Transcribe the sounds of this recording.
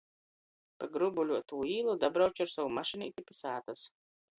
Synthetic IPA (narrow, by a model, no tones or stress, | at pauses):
paɡɾubulʲuɔt̪uːiːlˠud̪abɾawt͡ʃuaɾsawumaʃɨnʲiit̪ʲipʲisaːt̪us